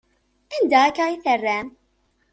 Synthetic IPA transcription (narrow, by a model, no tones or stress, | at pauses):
ænd̪æækːæiθərːæm